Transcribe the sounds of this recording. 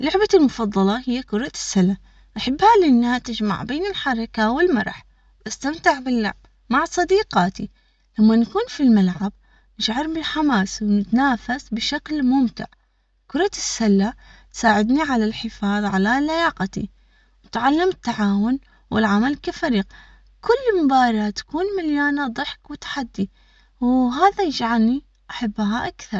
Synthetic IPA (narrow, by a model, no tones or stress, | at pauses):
lʊʕbalmʊfɑðˤːɑlɑhɪjːakʊɾˤɑsːalːa | ʔaħabːhalɪnːaat̪ɪd͡ʒma̰ʕbeːnɪlħɑɾˤɑkawɪlmɑɾˤɑ̰ħ | bast̪amt̪ɪʕbɪlːa̰ʕb | maʕsˤɑd̪iːqaːt̪ḭ | lamːankuːnfilmalʕab̚ | nɪʃʕɑɾˤbɪlħamaːswnɪt̪naːfasbɪʃaklmʊmt̪ɪ̰ʕ | kʊɾˤɑsːalːat̪saːʕɪd̪niʕalalħɪfɑːðˤʕalalajaːqt̪ḭ | wɪt̪ʕalːamɪt̪ːaʕaːwʊn | wʔɪ̰lʕamalkafaɾiːq̚ | kʊlːmʊbaːɾat̪ḁkuːnmaljaːnad̪ˤɨħkwɪt̪ḁħad̪ːi | wɦaːðajɪd͡ʒʕalni | ʔaħabːɦaʔakθɑɾˤ